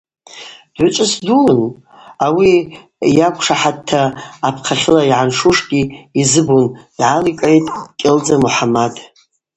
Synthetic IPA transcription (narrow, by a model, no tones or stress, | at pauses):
d̥ʷʊt͡ʃʷʼɨsdun | awi | jakʷʰʼʂaħad̚tʰːaːpʰqʰaχʲɪlaiʕanʂuʂɡʲiizɨbund̥ʕalikʼʕejtʼkʲʼɪld͡zamuħamad